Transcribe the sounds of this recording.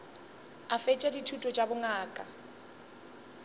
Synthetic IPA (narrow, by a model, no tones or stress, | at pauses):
afɛt͡ʃʼɛditʰutʼɔt͡ʃʼabʊŋaːkʼa